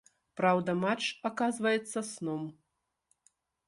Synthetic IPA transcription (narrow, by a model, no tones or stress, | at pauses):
pɾawd̪ɐmat͡ʂakazvɐjɛt̪sːɐsnɔm